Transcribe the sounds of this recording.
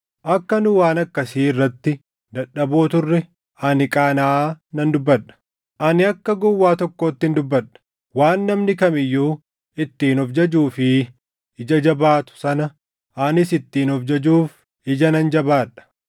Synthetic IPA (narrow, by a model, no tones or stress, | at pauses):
ʔɐkːɐnʊwaːnɐkːɐsiːɪrːɐt̪ːɪ | d̪ɐᶑːɐboːt̪ʊrːɛ | ʔɐnɪkʼaːnaːnɐnd̪ʊbːɐᶑɐ̥ | ʔɐnɪɐkːɐɡɔwːaːt̪ɔkːoːt̪ːɪnd̪ʊbːɐᶑːɐ̥ | waːnːɐmnɪkɐmɪjːuː | ɪt̪ːiːnɔfd͡ʒɐd͡ʒuːfɪ | ɪd͡ʒɐd͡ʒɐbaːt̪ʊ̥sɐnɐ | ʔɐnɪsɪt̪ːiːnɔfd͡ʒɐd͡ʒuːf | ɪd͡ʒɐnɐnd͡ʒɐbaːᶑɐ̥